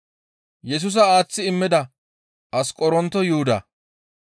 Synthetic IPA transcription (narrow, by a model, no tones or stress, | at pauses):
jɛs̬ʊs̬ɐaːt͡sːɪɪmːɛd̪ɐ | ɐskʼɔɾɔnt̪ɔjʊhʊd̪ɐ̰